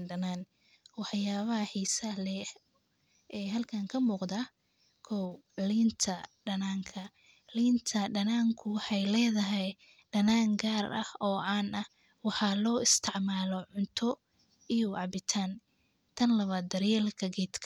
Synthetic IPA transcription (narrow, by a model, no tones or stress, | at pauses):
ɖɐnaːn | wɑħjaːβɐɦɐħiːsɐhlɛ | ʔɛɦɐlkʰaːŋkʰɐmuːqd̪aː | kʰɔw | liːnt̪ʰɐɖɐnaːŋkʰɐ | liːnt̪ʰɐɖɐnaːŋkʰʊwɑħɑjlɛːðɐɦɛj | ɖɐnaːŋɡaːrʔɐhɔːʔaːnʔɐh | wɑħɑːlɔːɪst̪ʰɪʕmaːlɔʕʊnt̪ʰɔ | ijɔʔɑ̰bɪt̪ʰaːn | t̪ʰɐnlɐβaːd̪ɐɾɛlkʰɐɡɛːt̪kʰɐ